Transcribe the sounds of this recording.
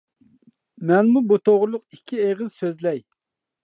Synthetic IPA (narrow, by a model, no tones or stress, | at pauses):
mɛnmubut̪ʰoʁɾlˠʊqikʲʰːieʁɨz̥søzlɛj